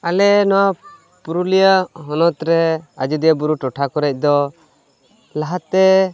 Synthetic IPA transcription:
alɛnɔwa | puɾulijəɦɔnɔt̪ɾɛad͡ʒud̪ijabuɾuʈɔʈʰakɔɾɛc̚ˀd̪ɔ | laɦat̪ːɛ

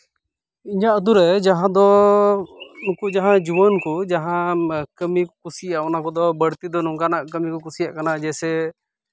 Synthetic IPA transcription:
iɲaʔəd̪uɾɛd͡ʒaɦãd̪ɔ | nukuʔd͡ʒaɦãd͡ʒubənkud͡ʒaɦãkəmikɔkusijaʔɔnakɔd̪ɔbəɽt̪id̪ɔnũŋɡanaʔkəmikɔkusijaʔkanad͡ʒɛsɛ

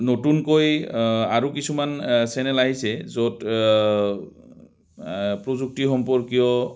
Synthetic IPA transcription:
notunkojaɹukisumansɛnɛlaɦisɛzot | pɹozuk̚tixɔmpɔɹkijɔ

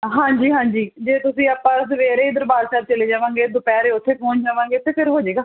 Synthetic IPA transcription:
ɦãːɲd͡ʒiːɦãːɲd͡ʒiːd͡ʒeːt̪ʊsĩːaːpːãːsəʋeːɾeːd̪əɾbaːɾsaːb̚t͡ʃəleːd͡ʒaːʋãːŋɡeːd̪ʊpɛːɾeːʊt̪ʰːeːpõːnd͡ʒaːʋãːŋɡeːʊt̪ʰːeːpʰɪɾɦoːd͡ʒeːɡaː

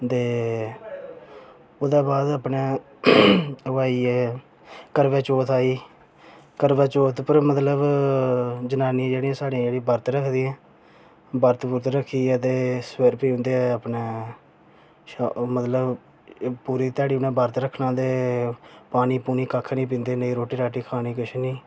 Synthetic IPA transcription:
t̪eː | oːd̪aːbaːd̪əpneː | əʋaːiːɛː | kəɾʋɛːt͡ʃoːt̪aːiː | kəɾʋɛːt͡ʃoːt̪pəɾmət̪ləb | d͡ʒənaːnːãːd͡ʒeːɽiːãːsaːɽiãːd͡ʒeːɽĩːbəɾt̪ɾəkʰd̪iːɛ̃ː | bəɾt̪bʊɾt̪ɾəkʰːiːət̪eːsweɾpiːʊ̃nd̪eːɛəpneː | ʃamət̪ləb | puːɾiːt̪ɛːɽiːʊnɛ̃ːbəɾt̪ɾəkʰnãːd̪eː | paːniːpuːniːkəkʰːnĩːp̬ĩːnd̪eːnəiːɾoːʈːiːɾaːʈiːkʰaːniːkəʃniː

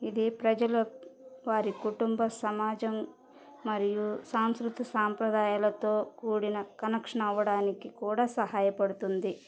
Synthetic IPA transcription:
id̪ipɾɐd͡ʒɐlɐʋaːɾikuʈumbɐsɐmaːd͡ʒɐmː | ɐɾijusaːmskɾut̪ɐsaːmpɾɐd̪aːjaːlɐt̪o̞ːkuːɽinɐkɐnɐkʂɐɳɐʋːɐɽaːnikikuːɽaːsɐɦaːjɐpɐɽut̪und̪i

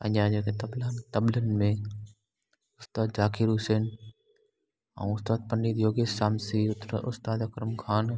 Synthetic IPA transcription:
ɐ̰̃ɲaːd͡ʒeket̪ɐblaːnt̪ɐblənmẽ | ʊst̪aːd̪̚d͡ʒaːkʰiɾuːseːn | ɐ̰̃ũʊst̪aːd̪̚pɐnɖiːd̪joːɡeːaːmsiʊst̪aːd̪ɐkɾəmkʰaːn

